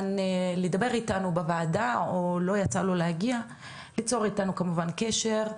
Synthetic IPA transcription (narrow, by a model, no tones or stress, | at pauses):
nledabe̞ʁitanubevaːdaolo̞jat͡salo̞leaɡia | lit͡so̞ʁitanukamuvankeʃe̞ʁ